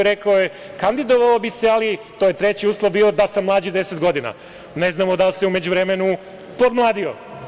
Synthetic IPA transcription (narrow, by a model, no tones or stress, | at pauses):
ɾe̞kaoje | kand̪id̪oʋaobise̞alit̪ojet̪ɾe̞t͡ɕiuːslˠobiːo̞d̪asamːlˠaːd͡ʑid̪e̞set̪ɡo̞d̪ina̰ | ne̞znaːmod̪alseume̞d͡ʑuʋɾemenu | pod̪mlˠaːd̪io̰